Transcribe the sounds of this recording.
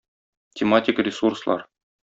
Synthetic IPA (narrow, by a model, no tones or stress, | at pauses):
t̪ʲɪmatʲɪkrʲɪsurslˠɑ̰ɾ